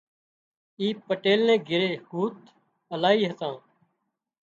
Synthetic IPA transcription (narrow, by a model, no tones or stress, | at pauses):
iːpəʈeːlnẽːɡʱɪɾeːhuːt̪ | əlaːiːɦət̪ãː